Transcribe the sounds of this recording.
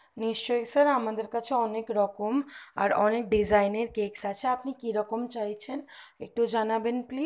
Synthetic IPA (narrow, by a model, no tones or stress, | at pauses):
niʃt͡ʃɔjksəɾamad̪əɾkat͡ʃʰeɔnekɾɔkəma̰ɾɔnek̚ɖid͡ʒajneɾkeksat͡ʃʰeapnikiɾɔkəmt͡ʃaɦit͡ʃʰenek̚ʈud͡ʒanabenpli